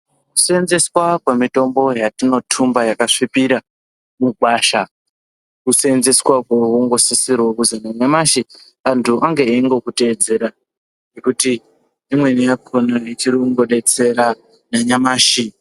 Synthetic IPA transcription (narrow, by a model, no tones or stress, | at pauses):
ku̥senze̞swakwamito̞mbo̞jatino̞tʰumbajakaʂipiɾa | muɡwaːʃa | kusenzeswakwowuŋɡo̞sisirwokuzanaɲamaʃi | antʰuʔaŋɡeeŋɡo̞kute̞ːd͡ze̞ɾa | nekutiː | mwe̞nijakʰonait͡ʃiɾikuŋɡo̞ɗe̞t͡se̞ɾa | naɲamaːʃi